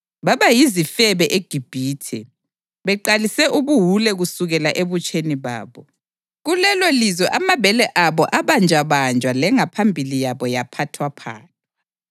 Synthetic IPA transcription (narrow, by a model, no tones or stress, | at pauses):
βaβajizifɛβɛʔeɡ̥ʱib̥ʱiːtʰɛ̰ | βɛǃalisɛʔuβuɦulɛɣusuɣɛlaʔeβut͡ʃʼʰeniβa̰ːβɔ | ɣulɛlolizɔʔamaβɛlɛʔaβɔʔaβand͡ʒʱaβand͡ʒʱwalɛŋapʰambʱilijaβɔjapʰatʰwapʰa̰ːni̥